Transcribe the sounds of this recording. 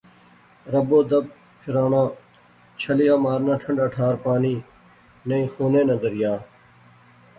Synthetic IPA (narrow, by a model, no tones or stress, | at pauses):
ɾəboːd̪əb̚ | pʰɪɾaːnãː | t͡ʃʰəlɪjaːmaːɾnãːʈʰəɳɖəʈʰaːɾpaːniː | nẽĩːxuːnẽːnəzəɾɪjaː